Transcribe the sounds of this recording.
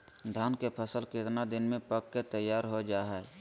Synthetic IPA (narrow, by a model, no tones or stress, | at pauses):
d̪ʱaːnkepʰəsəlkɪt̪nad̪ɪnmẽpəkːet̪əjːaːɾɦod͡ʒaːɦɛː